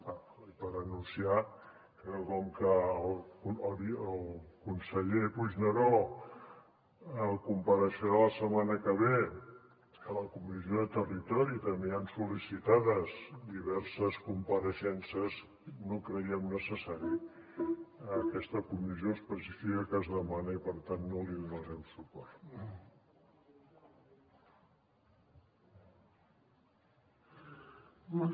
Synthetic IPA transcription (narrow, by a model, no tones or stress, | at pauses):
a | ipəɾənunsia | kəkɔmkəliəlˠkunsəʎepuʒnəɾo | əlˠkumpəɾəʃəɾaləsəmanəkəβe | ələkumizioðət̪ərit̪ɔɾit̪əmiənsulisit̪aðəzd̪iβɛɾsəskumpəɾəʃɛnsəz | nokɾəiəmnəsəsaɾi | əkɛst̪əkumizioəspəsifikəkəzðəmanəipəɾt̪anːoliðunəɾɛmsupɔrt̪